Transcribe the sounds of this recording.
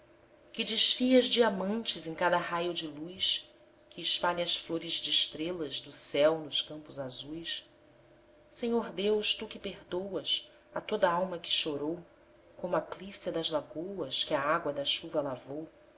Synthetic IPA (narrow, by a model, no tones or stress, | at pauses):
kɪd͡ʒɪʃfiɐzd͡ʒiamɐ̃nt͡ʃɪzẽkad̪ɐɦajʊd͡ʒɪlujs | kɪːʃpaʎɐɐsfloɾɪzd͡ʒɪːʃt̪ɾelɐzd̪ʊsɛwnʊʃkɐ̃mpʊzazujs | sẽɲoɾd̪ewʃt̪ukɪpehd̪owɐs | ɐt̪od̪ɐawmɐkɪ̥ʃoɾow | kõmʊaplisjɐd̪ɐzlaɡowɐskɪɐaɡwɐd̪ɐʃuvɐlavow